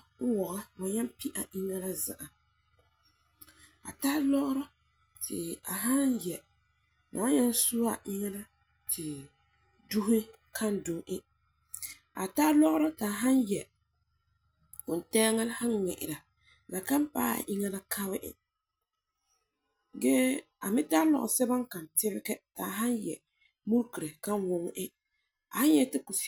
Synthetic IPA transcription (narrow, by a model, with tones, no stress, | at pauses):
ʊ˦wɔ˨ɣa˦ma˨ɲa˦m˦pi˦ʔa˨ʔɪ˦ŋa˦la˦za̰˨ʔa˨ | a̰˨taː˦lɔ˦ʔʊ˦ɾɔ˦ | tʰɪ̰˨a˨ɦa˦njɛ˨ | ma̰˨˦ɲa˦n˦su˦a̰˨ʔɪ˦ŋa˦la˦ | tʰɪ˨ | du˦ɦɪ˦ | kʰa˦n˦dʊ˨ŋʔɪ˦ | a˨ta˦lɔ˦ʔʊ˦ɾɔ˦tɪ˨a˨ɦa˦n˦jɛ˨ | ʊ˨n˨tɛː˦ŋɛ˦lha˦nŋɛ̰˨ʔɪ̰˨ɾa˨ | la˨ka˦m˦pa̰ː˦a̰˨ʔɪ˦ŋɛ˦la˦kʰa˦βɪ˦ʔɪ̰˨ | ɡɛ˦ | a˨mɪ˦ta˦lɔ̰˨ʔsɛ˦ba˦ŋka˨ntɪ˦bɪ˦kɛ˦ta˨ɦa˦njɛ˨ | mu˦ɾki˨ɾe˨ka˦nwʊ˦ŋ˦ʔɪ˦ | a˨ha˦ɲ˦ɛ˦tɪ˦ku˨s